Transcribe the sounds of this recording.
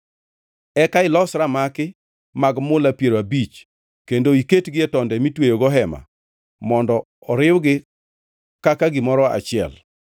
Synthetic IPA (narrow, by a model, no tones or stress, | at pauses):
ɛkaɪlɔsɾamakɪ | maɡmʊlapjeɾoabit͡ʃ | kendoiketɡɪɛtɔndɛmitwejoɡɔɦɛma̰ | mɔndɔ | ɔɾɪwɡɪ | kakaɡɪmɔɾɔa̰t͡ʃɪɛ̰l